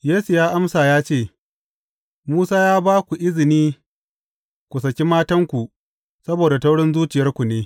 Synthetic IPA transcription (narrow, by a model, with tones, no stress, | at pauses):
jeː˦su˨jaː˦ʔa˦msaː˨jaː˦t͡ʃeː˦˨ | muː˦saː˦jaː˦baː˦kʷu˨ʔɪ˦zɪ˨niː˦ | kʷu˨s̬ɐ˨kʲi˦maː˦tɐ˦ŋkʷu˨ʔ | sɐ˦boː˨da˨tɐ˦wɽɪ˦nzuː˦t͡ʃɪ˨jɐ˦rkʷu˨neː˦